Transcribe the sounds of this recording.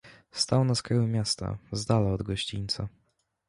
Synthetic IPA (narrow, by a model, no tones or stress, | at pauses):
st̪awnaskɾajumʲjast̪a̰zd̪alaɔd̪ɡɔɕt͡ɕint̪sa